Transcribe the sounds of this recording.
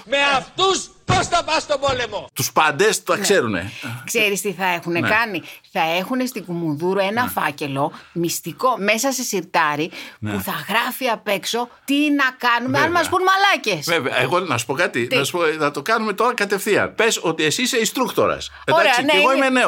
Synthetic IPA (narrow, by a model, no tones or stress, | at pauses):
meɐft̪usposθɐpɐst̪obo̞le̞mo̞t̪uspɐnd̪e̞sɐksse̞ɾune̞̰kse̞ɾist̪iθɐe̞xune̞kɐniθɐe̞xune̞st̪iɡumunðuɾoe̞nɐfɐce̞lo̞mist̪iko̞me̞sɐse̞siɾt̪ɐɾipuθɐɣɾɐfiɐpe̞kso̞t̪inɐkɐnumeɐnmɐspunmɐlɐcesveveɐ̰eɣonɐsu̥po̞kɐt̪it̪ɐsu̥poθɐt̪o̞kɐnume̞t̪o̞ɾɐkɐt̪e̞fθiɐ̰npe̞so̞t̪iesisist̪ɾukt̪o̞̰ɾɐ̰s | eoɾesɐineeɣoimene